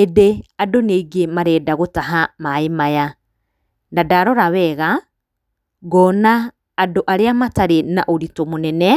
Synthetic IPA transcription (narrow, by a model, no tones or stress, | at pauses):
eðeadoneɡemaɾɛːdaɣotaɦamaemaja | ndadaɾɔɾawɛɣa | ɡɔːnaː | doʔaɾeamataɾena̰ʔoɾitɔmonɛnɛ